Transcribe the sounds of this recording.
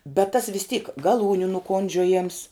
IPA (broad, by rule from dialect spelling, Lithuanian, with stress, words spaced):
bʲɛt tɐs ʋʲɪs tʲiːk ɡɐˈlˠuːnʲʊ nʊˈkoːnʲd͡ʒʲoːjɛms